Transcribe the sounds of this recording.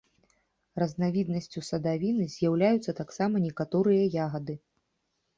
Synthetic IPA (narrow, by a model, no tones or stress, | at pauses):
rɐznavʲid̪̚nɐsʲt͡sʲusɐd̪avʲinɨzʲjawlʲajut̪sːɐt̪aksamɐnʲɛkat̪ɔɾɨjɐjaɣɐd̪ɨ